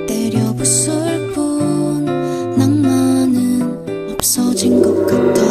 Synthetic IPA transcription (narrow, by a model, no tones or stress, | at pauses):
teɾjʌbus͈ɯɭp͈unː | aŋmanɯn | ʌp̚s͈ʌd͡ʑiŋɡʌk͈ɯk̚t͈a